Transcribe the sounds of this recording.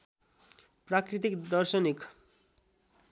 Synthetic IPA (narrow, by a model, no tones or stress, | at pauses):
prakɾit̪ikd̪ʌrsʌnik